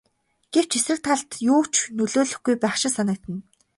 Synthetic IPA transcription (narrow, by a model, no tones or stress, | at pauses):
ɡ̥ew̥t͡ɕʰesrɘ̆k̚t̪ʰaɮt̪juːt͡ɕʰnɵɮoːɮɵ̆xɡujpæːχʃɪ̆sanə̆k̚t̪ɘ̆n